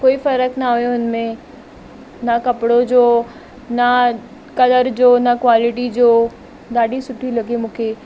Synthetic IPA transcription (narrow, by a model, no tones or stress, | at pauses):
koːifɐɾəkʰnaːɦujoɪnmẽ | nɐkɐpɪɽod͡ʑoː | na | kɐləɾd͡ʑoːnɐkwaːlɪʈ̬id͡ʑoː | ɗ̪aːɗisʊʈʰilɐɡimũːkʰeː